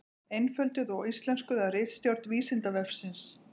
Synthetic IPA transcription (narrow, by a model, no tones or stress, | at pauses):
ejnfœlt̪ʏðɔɣist̪lɛnskʏðarɪjt̪st̪jɔwɾ̥t̪viːsɪnt̪avɛfsɪns